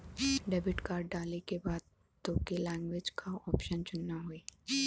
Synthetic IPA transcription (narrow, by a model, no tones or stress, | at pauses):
ɖɛːbɪʈkaːɾɖ̚ɖaːlekebaːd̪̚ | t̪oːkelɛ̃ːŋɡweːd͡ʒkʰaɔːpʃənt͡ʃʊnːaɦoeː